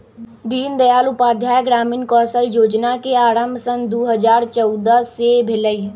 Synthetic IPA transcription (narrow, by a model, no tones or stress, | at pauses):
d̪iːnd̪əjaːlʊpaːd̪ʱjaːjɡɾaːmiːnkɔːsəljoːd͡ʒnakeaːɾə̃mbʱsənd̪oːɦəzaːɾt͡ʃɔʊd̪əsebʱɪləi